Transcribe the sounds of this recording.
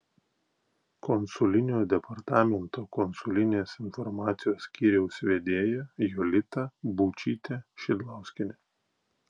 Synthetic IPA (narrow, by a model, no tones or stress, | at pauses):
kɔnsʊlʲɪnʲoːd̪ʲɛpɐɾt̪ɑːmʲɛnt̪oːkɔnsʊlʲɪnʲeːsɪnfɔɾmɑːt̪sʲɪjoːsːʲkʲiːɾʲɛʊsʲʋʲeːd̪ʲeːjɛjɔlʲɪt̪ɐbuːt͡ʃʲiːt̪ʲɛʃʲɪd̪lˠɑˑʊsʲkʲɪnʲe